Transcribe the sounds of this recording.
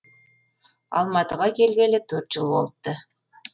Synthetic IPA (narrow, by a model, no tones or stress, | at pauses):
ɑ̰lˠmɑt̪əʁɑkʲʰe̞lɡʲe̞lɪt̪ʰɵɾt̪ʒ̥əlˠbo̞lˠəp̚t̪ə